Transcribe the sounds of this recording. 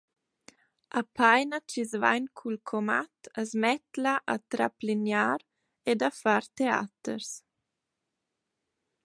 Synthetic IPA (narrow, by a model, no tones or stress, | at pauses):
apʰajnat͡ʃizva̰jnkʰulkʰɔmat̪azmɛt̪laʔat̪ɾaplinjaːɾ | ed̪afaɾt̪ea̰t̪ə̰ɾs